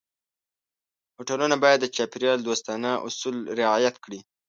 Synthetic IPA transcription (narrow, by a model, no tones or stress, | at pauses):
hoʈalunabɑjad̪ːət͡ʃɑpɪɾijɑld̪ost̪ɑnaʔʊ̰sulɾɪɑjat̪kɽi